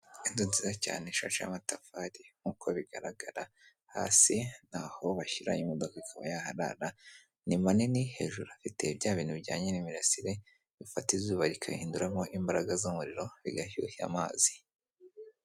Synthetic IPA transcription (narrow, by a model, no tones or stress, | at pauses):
inzonzizaca̰ːneʃa̰ʃa̰matafaɾiŋ̥ukʰo̞βiɡaɾaɡaɾa | ha̰ːsin̥aho̞βaʃiɾa̰imodo̞kaikʰaβa̰jahaɾa̰ɾa | nimaniniheʒuɾafite̞βɟaːβiːnuβiɟaːɲenimiɾasiɾe | βifatiβzuːβaɾikʰahiːnduɾamo̞ʔimbaɾaɡazomuɾiɾo̞βḭɡahṵhia̰maːzi̥